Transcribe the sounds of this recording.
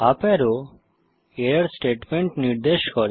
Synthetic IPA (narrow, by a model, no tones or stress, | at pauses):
apeɾo | eɾsʈeʈmeɳʈniɾd̪eʃkɔɾ